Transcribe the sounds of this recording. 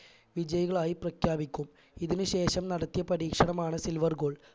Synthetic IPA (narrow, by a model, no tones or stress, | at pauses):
ʋid͡ʑɐjɐɣɐɭaːjiprɐkʰjaːbikʲːum | iðinɨɕe̞ːʂɐmnɐɽɐt̪ːijɐpɐɾiːkʂɐɳɐmaːɳɨsilʋɐrɡoːɭ